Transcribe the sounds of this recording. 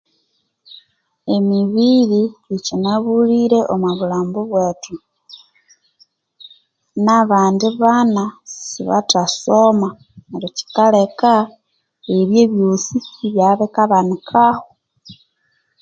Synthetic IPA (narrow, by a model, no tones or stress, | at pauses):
emiβiɾiicinaβuliɾe̞ʔomaβulaːmbuβwe̞ːtu | naβaːndiβanasiβa̰tasoma | neɾoci̥kale̞ka | eβjeβjosiiβjaβekaβanikʰaho